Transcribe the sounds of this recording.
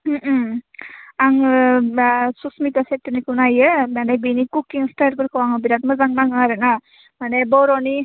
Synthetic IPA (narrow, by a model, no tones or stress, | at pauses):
aŋ | susmit̪asetːɯnikunajəmanabinikukːiŋstaɾpɯɾkʰɔwaŋbiɾat̪̚mazaŋnaŋaɾɯna | manebɔɾɔni